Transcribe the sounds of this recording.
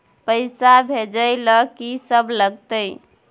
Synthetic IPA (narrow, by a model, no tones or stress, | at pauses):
pəɪsabʱed͡ʒəjləkisəbləɡt̪əj